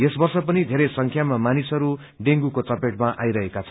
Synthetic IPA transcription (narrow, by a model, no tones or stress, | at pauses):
esbʌrsʌpʌnid̪ʱeɾesʌŋkʰjamamanisʌɾu | ɖeŋɡukot͡sʌpeʈ̚maʔa̰jɾʌɦekat͡sʰʌn